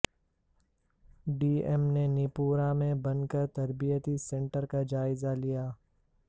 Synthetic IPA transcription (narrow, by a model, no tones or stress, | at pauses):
ɖiːemnenɪpuːɾamẽbɐnkəɾt̪ɐɾbijət̪isẽɳʈəɾkad͡ʒaːɪzalijaː